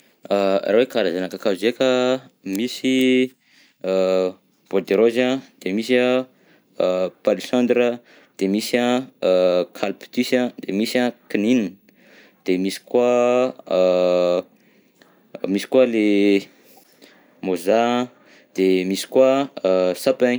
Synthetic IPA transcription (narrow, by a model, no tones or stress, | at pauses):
arawekaɾazanakakazekʲəmisi | b̥od̪eɾozad̪̥emisə | palisãnd̪ɾə | d̪̥emisa | kʰalpt̪isãd̪̥emisakinin | d̪̥emisi̥kwa | misi̥kwale | mozã | d̪̥emisi̥kwasapaɲ